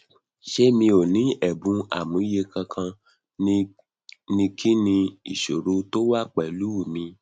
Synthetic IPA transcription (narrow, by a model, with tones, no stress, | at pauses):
ʃe˦mĩ˧o˨nĩ˨˦ɛ˨bũ˨˦a̰˦˨mũ˨˦je˧kã˧kʰã˧ | nĩ˧kʰi˦nĩ˧ḭ˨ʃo˨ɾo˨˦to˦wa˦k͡pɛ˨lu˨˦˨mĩ˧